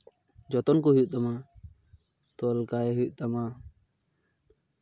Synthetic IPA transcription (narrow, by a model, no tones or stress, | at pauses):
d͡ʒɔt̪ɔnkuɦut̪ama | t̪ɔlkajɛɦujʔt̪ama